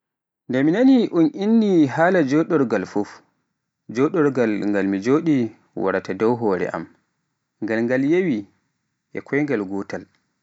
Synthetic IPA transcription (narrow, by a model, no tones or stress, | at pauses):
ndɛminaniʔunʔinːiɦaːlad͡ʒɔɗɔɾɡalfuf | d͡ʒɔɗɔɾɡalŋɡalmid͡ʒoːɗi | wa̰ɾatadɔwɦɔːɾɛ̰ʔa̰m | ŋɡalŋɡaljewi | ʔɛ̰kʰɔjŋɡalɡɔːtal